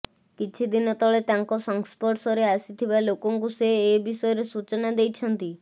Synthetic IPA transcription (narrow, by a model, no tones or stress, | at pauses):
kit͡ʃʰid̪inɔt̪ɔɭet̪aŋkɔsɔŋspɔʈsɔɾeasit̪ʰibalokɔŋkuseːbisɔjɔɾesut͡ʃɔnad̪ejt͡ʃʰɔnt̪i